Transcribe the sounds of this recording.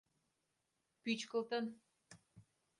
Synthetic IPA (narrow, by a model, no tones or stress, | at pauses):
pyt͡ɕkə̆lt̪ən